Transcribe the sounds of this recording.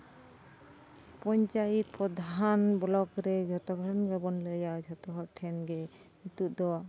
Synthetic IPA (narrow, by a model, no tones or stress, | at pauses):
pɔɲt͡ʃajit̪̚pɾɔd̪ʱanbɔlɔkɾɛd͡ʒʱɔt̪ɔɡɾɾɔnɡɔbɔnləjad͡ʒʱɔt̪ɔɦɔʈʰɛnɡɛ | it̪uʔd̪ɔa